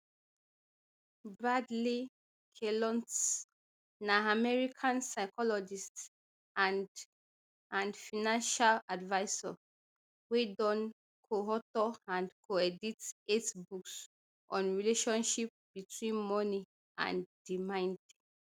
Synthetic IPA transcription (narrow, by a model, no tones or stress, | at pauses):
badli | kʰelɔ̃nts | naamɛɹikʰãnsaɪkʰɔlɔd͡ʒist | ãnd | ãnfinãnʃaladvaɪsɔ̰ | wedɔ̃n | kʰoɦɔtɔãnkʰoɛditetbuks | ʔɔ̃nɹileʃɔ̃nʃip̚b̥itwĩnmɔni | ʔã̰ndimãɪ̃ndi